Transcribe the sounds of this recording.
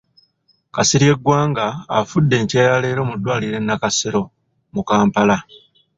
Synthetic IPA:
kasiɾje̞ɡwaːŋɡaːfudːe̞ːɲcaːjale̞ːɾo̞ːmudːwaːliɾe̞nːakaseɾo̞ | mukaːmpala

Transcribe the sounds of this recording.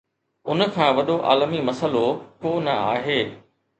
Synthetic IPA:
ʊnə̆kʰãːʋɐɗoʔa̰ːlmimɐsəlokoːnɐaːɦeː

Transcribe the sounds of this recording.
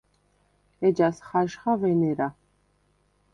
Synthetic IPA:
ɛd͡ʒasχaʃχavɛnɛɾa

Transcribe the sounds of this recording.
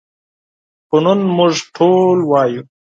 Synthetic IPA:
pʊnunmʊʐʈʰoːlwaːju

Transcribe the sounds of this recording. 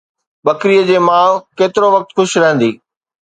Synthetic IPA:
ɓɐkɾijəd͡ʑeːmãːkeːt̪ɪɾoʋɐk̚t̪xʊʃɾɐɦn̆d̪iː

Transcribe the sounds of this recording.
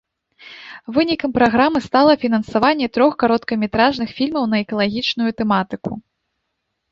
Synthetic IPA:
vɨnʲikɐmpɾaɣɾamɨst̪alˠɐfʲinɐnsavanʲːɛt̪ɾɔxkaɾɔt̪kɐmʲɛt̪ɾaʐnɨxfʲilʲmɐwnɐɛkɐlˠaɣʲit͡ʂnujut̪ɛmat̪ɨku

